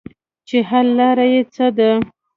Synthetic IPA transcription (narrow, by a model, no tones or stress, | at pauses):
t͡ʃeɦalːɑɾajet͡səd̪a